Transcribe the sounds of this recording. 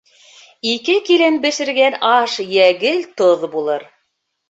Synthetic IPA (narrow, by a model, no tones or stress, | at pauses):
ikɘkilɘnbɘ̆ʃɘ̆ɾɡænɑʃjæɡɘlt̪oðbulˠɤɾ